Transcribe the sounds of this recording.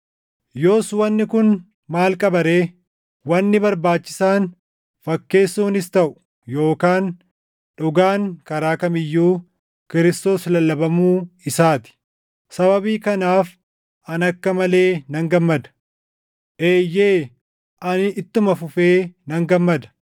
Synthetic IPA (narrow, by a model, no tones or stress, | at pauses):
jo̞ːswɐnːɪkʊn | maːlkʼɐbɐɾe̞ː | wɐnːɪbɐɾbaːt͡ʃːɪ̥saːn | fɐkːe̞ːsːuːnɪst̪ɐʔʊ̥ | jo̞ːkaːn | ᶑʊɡaːŋkɐɾaːkɐmɪjːuː | kɪɾɪst̪o̞ːslɐlːɐbɐmuːɪsaːt̪ɪ̥ | sɐβɐbiːkɐnaːf | ʔɐnɐkːɐmɐle̞ːnɐŋɡɐmːɐd̪ɐ̥ | ʔe̞ːjːe̞ː | ʔɐnɪɪt̪ːʊmɐfʊfeːnɐŋɡɐmːɐd̪ɐ̥